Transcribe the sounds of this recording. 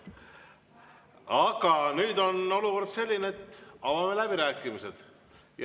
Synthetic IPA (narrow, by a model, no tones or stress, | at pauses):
ɑɡ̥ɑnyːd̪o̞no̞luko̞rd̪̥se̞lʲːineet̪ːɑvɑmelæbiɾæːkːˑimise̞d̪̥ | j